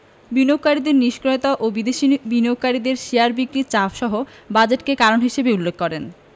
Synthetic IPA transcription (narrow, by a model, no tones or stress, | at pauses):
binok̚kaɾid̪eɾniʃkɾojt̪aʔobid̪eʃibinoɡ̚kːaɾid̪eɾʃijaɾbikɾit͡ɕafʃɔɦobad͡ʑeʈkekaɾonɦiʃebeulːekːɔɾen